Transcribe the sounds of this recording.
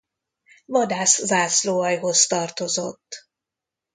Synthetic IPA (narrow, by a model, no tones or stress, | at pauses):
vɒd̪aːszaːsloːɒjɦo̞st̪ɒrt̪o̞zo̞̰t̪ː